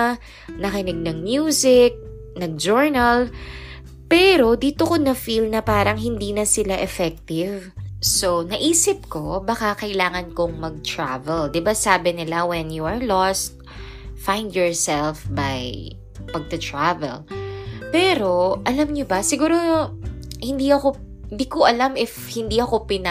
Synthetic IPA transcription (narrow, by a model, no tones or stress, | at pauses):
nɐkɪnɪɡ̚nɐŋmjuːsɪk̚ | nɐɡ̚d͡ʒoɹnɐl | pɛːɾo̞d̪iːt̪okonɐfilnɐpaːɾɐŋɦɪnd̪iːnɐsɪlaʔɛfɛk̚t̪ɪvsonɐʔiːsɪp̚ko̞bɐkakɐʔɪlaːŋɐnkoŋmɐɡ̚t̪ɹa̰vɛld̪ɪbasaːbɪnɪlawɛnjuɐɹlɔst̪̚ | fajnd̪jɔɹsɛlfbaj | pɐɡ̚t̪ɐt̪ɹavɛ̰lpɛːɾo̞ʔɐlamɲobɐsɪɡuːɾo | hɪnd̪iɐko | nd̪ikoʔɐlamɪfhɪnd̪iʔɐko̞pɪn